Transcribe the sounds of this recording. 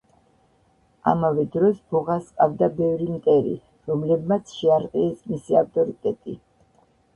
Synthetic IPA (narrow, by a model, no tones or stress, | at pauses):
a̰mavɛd̪ɾɔsbɔʁaskʼavd̪abɛvɾimt̪ʼɛɾḭ | ɾɔmlɛbmat̪sʰʃɛaɾqʼiɛsmisiaft̪ʼɔɾit̪ʼɛt̪ʼi